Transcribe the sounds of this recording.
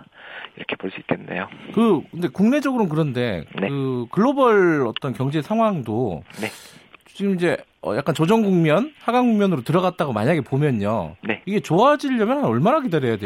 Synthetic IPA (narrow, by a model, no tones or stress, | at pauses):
iɾʌkʰe̞poɭs͈uik͈e̞nːe̞̰jokɯkɯnde̞kuŋne̞d͡ʑʌɡɯɾokɯɾʌnde̞nekɯkɯɭːobʌɭʌt͈ʌnkjʌŋd͡ʑe̞sʰaŋɦwaŋdone̞t͡ɕiɡɯmid͡ʑe̞ʌ̰jak͈ant͡ɕod͡ʑʌŋɡuŋmjʌnhaɡaŋɡuŋmjʌnɯɾotɯɾʌɣat̚t͈aɡomaɲaɡe̞pomjʌɲo̰ne̞iɡe̞t͡ɕoad͡ʑiʎːʌmjʌnhanʌɭmanakidaɾjʌjade